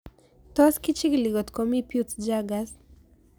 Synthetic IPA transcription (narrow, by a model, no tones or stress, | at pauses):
t̪ɔaskit͡ʃiɡliɡɔt̪kɔmipjut͡sd͡ʒaɡas